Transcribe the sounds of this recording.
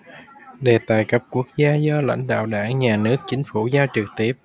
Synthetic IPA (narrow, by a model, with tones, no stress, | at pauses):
ɗe˨˩t̪aː˨˩jkə˦˥p̚ku˦˥ək̚zaː˧zɔ˧la̰˧˥jŋ̟ɗa̰ː˧˨wɗaː˧˩ŋɲaː˨˩nɨ˦˥ək̚t͡ɕï˨˦ŋ̟fu˧˩zaː˧t͡ɕɨ˨˩k̚t̪i˦˥əp̚